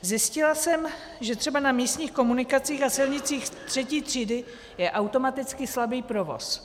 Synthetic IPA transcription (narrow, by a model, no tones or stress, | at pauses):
zjɪscɪlasɛm | ʒɛt̪r̝̥ɛbanamiːst̪ɲiːxko̞munɪkat͡siːxasɪlɲɪt͡siːxt̪r̝̥ɛciːt̪r̥iːdɪ | jɛʔawt̪o̞mat̪ɪt͡skɪslabiːpɾo̞vo̞̰s